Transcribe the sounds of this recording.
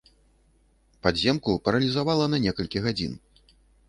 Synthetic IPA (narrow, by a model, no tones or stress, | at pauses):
pad̪zʲɛmkupɐɾɐlʲizavalˠɐnɐnʲɛkɐlʲkʲiɣad͡zʲḭn